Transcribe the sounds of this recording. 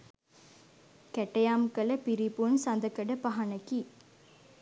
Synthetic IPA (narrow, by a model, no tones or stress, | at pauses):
kɛʈːɐjaːmkɐlɐpiɾipunsɐnd̪ɐkːɐɽɐpɐɦɐɳɐkːi